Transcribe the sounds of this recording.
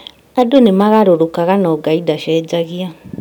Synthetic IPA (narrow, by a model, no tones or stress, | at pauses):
adonemaɣaɾoɾokaɣanɔːɡaidaʃɛːd͡ʒaɣia